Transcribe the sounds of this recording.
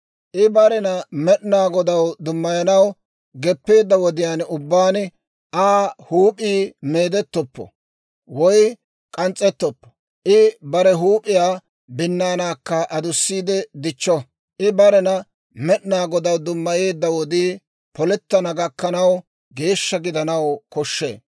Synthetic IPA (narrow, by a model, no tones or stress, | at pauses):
ʔɪbɐɾɛnɐmɛɗnaːɡɔd̪ɐwd̪ʊmːɐjɐnɐw | ɡɛpːe̞ːd̪ːɐwɔd̪ɪjaːnʊbːaːn | ʔaːhuːpʼiːme̞ːd̪ɛt̪ːɔpːɔ̰ | wɔj | kʼɐnt͡sʼːɛt̪ːɔpːɔ̥ | ʔɪbɐɾɛɦuːpʼɪjaː | bɪnːaːnaːkːɐʔɐd̪ʊsːiːd̪ɛd̪ɪt͡ʃːɔ | ʔɪbɐɾɛnɐ | mɛɗnaːɡɔd̪ɐwd̪ʊmːɐje̞ːd̪ːɐwɔd̪iː | pɔlɛt̪ːɐnɐɡɐkːɐnɐw | ɡe̞ːʃːɐɡɪd̪ɐnɐwkɔʃːḛː